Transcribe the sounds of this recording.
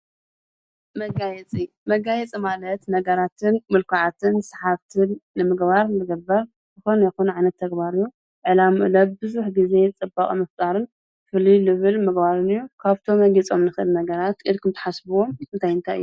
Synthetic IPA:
mɐɡajɛt͡sʼi | mɐɡajɛt͡sʼimalɐt̪nɐɡɐɾat̪ʰɨnmɨlkʰaʕat̪ʰɨnsḁħaβt̪ʰɨnːɨmɨɡbaɾnɨɡɐbɐɾ | zɨxonjɛxunʕajnɐt̪ʰːɐɡbaɾjːu | ʕɨlamuʔlɐbbɨzuħɡize̞t͡sʼɨbːaχʼimɐft̪ʼaɾɨn | fɨlilɨβɨlmɨɡbaɾɨnɨjːukʰaβt̪ʰo̞mɐɡit͡sʼo̞mnɨxɨʔɨlnɐɡɐɾat̪ɨd̪kʰɨmt̪ʰɐ̥ħasbuwomɨnt̪ʰajɨnt̪ʰajʔɨ̰jːu

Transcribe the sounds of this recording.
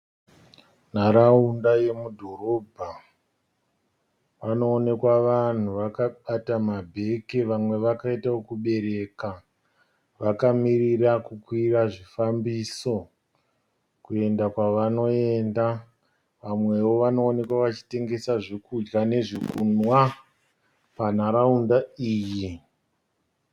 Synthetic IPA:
naɾaundaje̞mudʱo̞ɾo̞bʱa | pano̞ːne̞kwaʋan̤uʋakaɓatamabʱe̞keʋamwe̞ʋakaitaokuɓe̞ɾe̞ːka | ʋakamirirakukwiraʐifambiso̞ | kue̞ndakwaʋano̞e̞nda | ʋamwe̞wo̞ʋano̞ːne̞kwaʋat͡ʃi̥te̞ŋɡe̞saʐekud͡ʒɡane̞ʐikunwa | pan̤aɾaundaiːji

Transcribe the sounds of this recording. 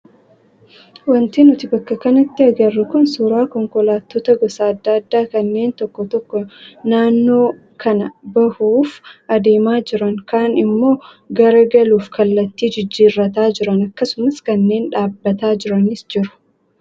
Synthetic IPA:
wɐnt̪iːnʊt̪ɪbɐkːɐkɐnɐt̪ːɪɐɡɐrːɐkʊnsuːɾaːkɔŋkɔlaːt̪ːoːt̪ɐɡɔsaːɐd̪ːaːɐd̪ːaːkɐnːe̞ːnt̪ɔkːɔt̪ɔkːɔnaːnːo̞ː | kʰɐnɐbɐhuːfʔɐd̪eːmaːd͡ʒɪɾɐŋkaːnɪmːo̞ː | ɡɐɾɐɡɐluːfkʰɐlːɐt̪ːiːd͡ʒɪd͡ʒːiːrːɐt̪aːd͡ʒɪɾɐnɐkːɐsʊmɐskɐnːe̞ːnᶑaːbːɐt̪aːd͡ʒɪɾɐnɪsd͡ʒɪɾʊ̥

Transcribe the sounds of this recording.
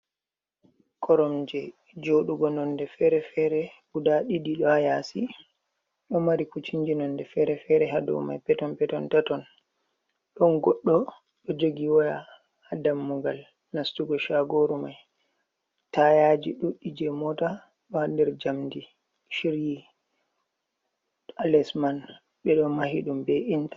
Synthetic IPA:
kʰɔɾɔmd͡ʒɛ | d͡ʒoɗuɡɔnɔndɛfɛɾɛfɛɾɛ | udaɗidiɗɔajasi | ɗɔmaɾikut͡ʃiɲd͡ʒinɔndɛfɛɾɛfɛɾɛɦadɔ̰ma̰jpɛtɔnpɛtɔntatɔn | ɗɔnɡɔɗːɔ | ɗɔd͡ʒoɡiwaja̰ | hadamːuɡal | nastuɡɔʃaɡoɾumaj | tajad͡ʒiɗuɗːid͡ʒɛmɔta | ɗɔhandɛɾd͡ʒamdi | ʃiɾji | alɛsman | ɓɛɗɔmahiɗumbɛʔintḁ

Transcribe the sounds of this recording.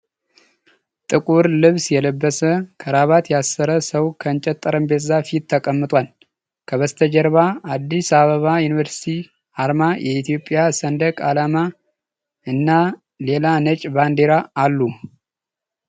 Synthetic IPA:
t̪ʼɨkʼuɾlɨβsjɛləbːəsəkʰəɾaβat̪jasːəɾəsəwkʰəɨnt͡ʃʼɛt̪ʼːəɾənbezafit̪ʰːəkʼəmːɨt̪ʼwal | kʰəβəst̪ʰəd͡ʒəɾβaad̪ːisaβəβajunivəɾsi̥t̪ʰi | aɾmajʔɛit̪ʰijo̞pʼːjasənd̪əkʼalama | ɨnːa | le̞lanət͡ʃʼband̪eɾaːlːu

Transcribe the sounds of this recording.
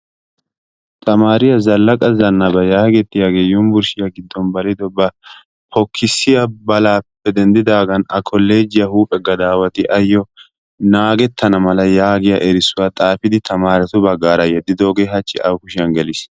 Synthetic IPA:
t̪ʰʼɐmaːɾɪjɐzɐlːɐkʼɐzɐnːɐbɐjaːɡɛt̪ːɪjaːɡe̞ːjʊmbʊɾʃɪjɐɡɪd̪ːɔnbɐlɪd̪ɔbɐ | pɔkʰːɪsːɪjɐbɐlaːpːɛd̪ɛnd̪ɪd̪aːɡɐnɐkʰɔlːe̞ːd͡ʒɪjɐhuːpʼɛɡɐd̪aːwɐt̪ɪʔɐjːɔ | naːɡɛt̪ʰːɐnɐmɐlɐjaːɡɪjɐ̰ʔɛɾɪsːʊwaːt̪ʼaːfɪd̪ɪt̪ʰɐmaːɾɛt̪ʊbɐɡːaːɾɐjɛd̪ːɪd̪oːɡeːɦɐt͡ʃʼːɪʔɐ̰wkʊʃɪjɐnɡɛlɪs

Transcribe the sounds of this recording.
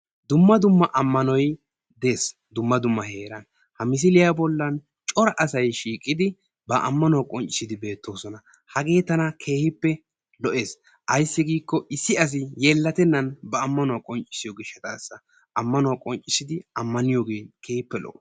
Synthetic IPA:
d̪ʊmːɐd̪ʊmːɐʔɐmːɐnɔj | d̪eːs | d̪ʊmːɐd̪ʊmːɐhe̞ːɾɐn | hɐmɪs̬ɪlɪjabɔlːɐn | t͡ʃʼɔɾɐʔɐsɐjʃiːkʼːɪd̪ɪ | bɐʔɐmːɐnɔwakʼɔnt͡ʃʼɪ̥sɪd̪ɪbe̞ːt̪ːo̞ːsɔnɐ | hɐɡe̞ːt̪ːɐnɐkʰe̞ːhɪpːɛ | lɔʔe̞ːs | ʔɐjsːɪɡiːkːɔʔɪsːɪɐs̬ɪjelːɐt̪ɛnːɐnbɐːmːɐnʊwakʼɔnt͡ʃʼɪ̥sɪjɔɡɪʃɛt̪a̰ːsːɐ | ɐmːɐnʊwakʼɔnt͡ʃʼɪsɪd̪ɪɐmːɐnɪjɔɡeːkʰeːhɪpːɛlɔ̰ʔ

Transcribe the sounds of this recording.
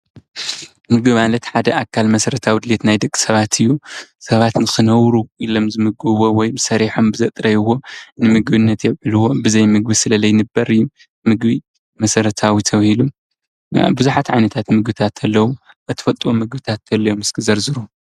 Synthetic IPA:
mɨɡbimalɐt̪ħad̪ɐʔakʰːalmɐsɐɾɐt̪ʰawid̪ɨlet̪najd̪ɨkʼːi̥sɐβat̪ʰɨjːusɐβat̪nɨxɨnɐwɾuʔilo̞mzɨmɨɡɨβowɔjsɐɾiħo̞mbɨzɐt̪ʼɾɐjwo̞nɨmɨɡbɨnːɐt̪jɛβʕɨluwo̞bɨzɐjmɨɡbisɨlɐlɐjnɨbːɐɾɨjːu | mɨɡbi | mɐsɐɾɐt̪ʰawit̪ʰɐβhilṵ | bɨzuħat̪ʕajnɐt̪ʰat̪mɨɡbɨt̪ʰat̪ʰɐlːɐwu | ʔɨt̪ʰɨ̥fɐt̪ʼwomɨɡbɨt̪ʰat̪ːɐlːɐjomɨskʰɨzɐɾzɨɾu

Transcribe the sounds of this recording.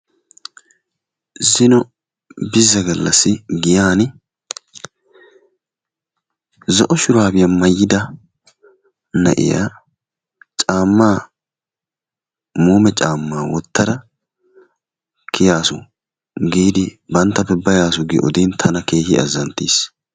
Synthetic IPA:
zɪnɔ | bɪzːɐɡɐlːɐsːɪɡɪjaːn | zɔʔɔʃʊɾaːbɪjɐmɐjːɪd̪ɐ | nɐʔɪ̰ja̰ | t͡ʃʼaːmːaː | muːmɛt͡ʃʼaːmːaːwɔt̪ːɐɾɐ | kʰɪjaːsʊ | ɡiːd̪ɪbɐnt̪ːɐpːɛbɐjaːsʊɡɪ̰ʔɔ̰d̪iːnt̪ʰɐnɐke̞ːhɪɐ̰zːɐnt̪ːiːs

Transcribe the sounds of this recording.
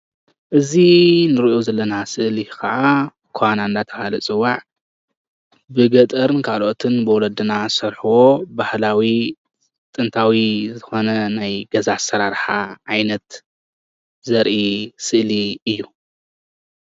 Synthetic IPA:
ʔɨzinɨɾiʔozɐlːɐnasɨʔlikʰɐʔa | kʰwanand̪at̪ʰɐhalɐt͡sʼɨwːaʕ | bɨɡɐt̪ʼɐɾnkʰalo̞t̪ʰɨnbɨwɔlɐd̪ɨnasɐɾħuwo̞bahlawi | t̪ʼɨnt̪ʰawizɨxo̞nɐnajɡɐzasɐɾaɾħaʕajnɐt̪ | zɐɾʔisɨʔliɨjːu

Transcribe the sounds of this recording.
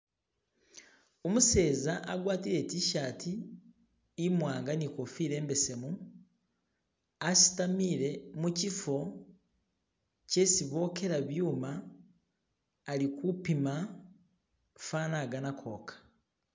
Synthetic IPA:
omuse̞ːzaʔaɡwaːtiɾe̞ːciʃaːtʰiː | mwaːŋɡaniko̞fiːɾe̞ːmbe̞se̞mu | asi̥tamiːɾe̞mucifo̞ | ce̞siβo̞ːke̞ɾaβjuːma | likupima | fanaɡanakʰo̞ːkʰḁ

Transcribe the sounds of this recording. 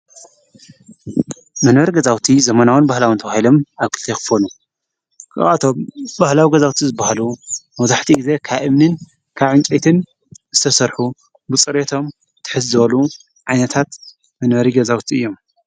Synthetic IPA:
mɐnwɐɾiɡɐzawt̪ʰizɐmɐnawɨnbahlawɨnt̪ʰɐβahilo̞maβkʰɨlt̪ʰekɨ̥fonu | kʰɨ̰a̰t̪ʰombahlawiɡɐzawt̪ʰizɨbːahalumɐzaħt̪ʰiɡize̞kʰaβʔɨmnɨn | kʰaβʕɨnt͡ʃʼet̪ʰɨn | zɨt̪ʰɐsɐɾħu | bɨt͡sʼɨɾet̪ʰo̞m | t̪ʰːɨ̥ħɨzːɨβɐlu | ʕajnɐt̪ʰat̪ | mɐnbɐɾiɡɐzawt̪ʰiɨjːo̞m

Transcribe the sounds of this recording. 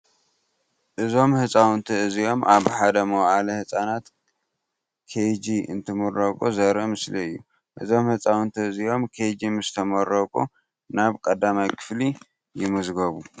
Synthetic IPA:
ʔɨzo̞mhɨsʼawnt̪ʰɨɨzijo̞mʔaβħad̪ɐmɐwʕalɐhɨsʼanat̪ | kʰejd͡ʒiɨ̰nt̪ʰɨmɐrɐkʼuzɐɾɐmɨsliɨjːu | ʔɨzo̞mhɨt͡sʼawnt̪ʰɨɨzijo̞mkʰed͡ʒimɨst̪ʰɐmɐɾɐkʼu | naβkʼɐd̪ːamajkʰɨ̥fli | jɪmɐzɡɐβu

